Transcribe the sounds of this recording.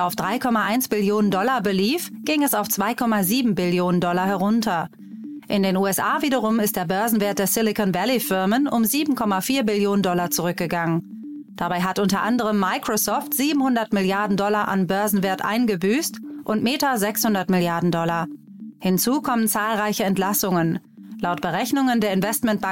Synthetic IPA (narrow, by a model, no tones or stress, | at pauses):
aʊfd̥ʁaɪkʰɔmaʔaɪnsb̥ɪljoːnəndɔlabəliːfɡ̥ɪŋəɛsaʊft͡sv̥aɪkʰɔmaziːbm̩bɪljoːnəndɔlahɛʁʊntʰɐ | ʔɪndeːnuːɛsʔaːviːdɐʁ̞ʊmɪst̚d̥eːɐbœɐzn̩veːɐt̚d̥eːɐsɪlɪkɔnvalifɪɐmənʊmziːbm̩kʰɔmafiːɐbɪljoːnəndɔlat͡suʁʏk̚ɡ̥əɡaŋən | d̥abaɪɦatʔʊntɐʔandəʁ̞əmːaɪkʁ̥osɔːftz̥iːbm̩hʊndɐtmɪljaɐdn̩dɔlaʔa̰nbœɐzn̩veːɐtʔa̰ɪnɡəbyːstʔʊntmeːtɐzɛkshʊndɐtmɪljaɐdn̩dɔla | hɪnt͡suːkʰɔmənt͡saːlʁaɪçəɛntlasʊŋənlaʊtb̥əʁɛçnʊŋəndeːɐɪnvɛstmɛntb̥a